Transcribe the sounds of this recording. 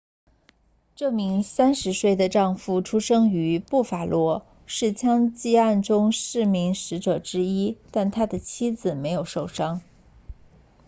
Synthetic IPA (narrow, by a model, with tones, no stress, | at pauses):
ʈ͡ʂɤ˥˩mi˧˥ŋsa˥nʂɻ̩˧˥swe˥˩ɪd̪ə˩ʈ͡ʂɑ˥˧ŋfu˥˩ʈ͡ʂʰu˥ʂɤ˥ŋy˧˥pu˥˩fa˨˩lwɔ˥ | ʂɻ̩˥˩t͡ɕʰjɑ˥ŋt͡ɕi˥˧a˥˩nʈ͡ʂʊ˥ŋʂɻ̩˥˩mi˧˥ŋʂɻ̩˧˥ʈ͡ʂɤ˨˩ʈ͡ʂɻ̩˥i˥t̪a˥˩nt̪ʰa˥d̪ə˨t͡ɕʰi˥d͡zɹ̩˨˩me˧˥ɪjo˨˩ʊʂo˥˩ʊʂɑ˥ŋ